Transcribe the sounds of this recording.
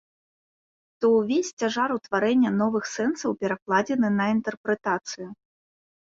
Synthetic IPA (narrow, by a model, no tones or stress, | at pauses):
t̪ɔwvʲesʲt͡sʲaʐaɾut̪vaɾɛnʲːɐnɔvɨxsɛnsɐwpʲɛɾaklˠad͡zʲɛnɨnɐint̪ɛrpɾɛt̪at̪sɨju